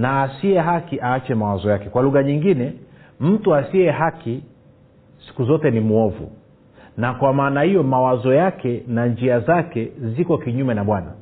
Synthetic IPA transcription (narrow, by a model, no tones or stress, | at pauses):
naːsiɛɦakiʔaːt͡ʃɛmawazɔjakɛkwaluɣaɲiŋɡinɛm̩tuasiɛɦaki | si̥kuzɔtɛnimuɔvṵ | nakwamaːnahijɔmawazɔjakɛnand͡ʒiazakɛzikɔkiɲumɛnaɓwana̰